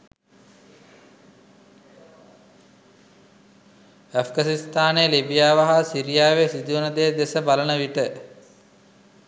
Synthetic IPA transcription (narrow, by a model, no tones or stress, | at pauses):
æfɡasist̪aːnelibijaːʋaɦasiɾijaːʋesid̪uunəd̪ejd̪esəbalənəʋiʈə